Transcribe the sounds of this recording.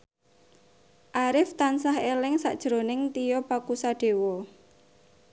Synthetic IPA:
ʔaɾɪft̪ansaɦelɪŋsa̰ʔd̥ʒ̥ɾonɪŋt̪ijɔpakusaɖ̥e̤wɔ

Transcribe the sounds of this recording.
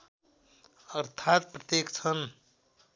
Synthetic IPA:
ʌɾt̪ʰat̪̚pɾʌt̪jekt͡sʰʌn

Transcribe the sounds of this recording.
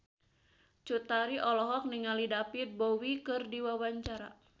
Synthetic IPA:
t͡ʃut̪aɾiʔɔlɔɦɔk̚niŋalidapit̪̚bowikɨrdiwawaɲt͡ʃaɾa̰

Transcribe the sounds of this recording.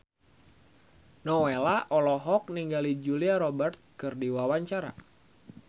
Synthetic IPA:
nɔwelaʔɔlɔɦɔk̚niŋɡalid͡ʒuliaɾɔbərt̪̚kɨrdiwawaɲt͡ʃaɾa̰

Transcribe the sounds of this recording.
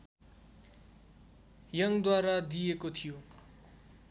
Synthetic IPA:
jʌŋd̪waɾad̪ijekot̪ʰijo

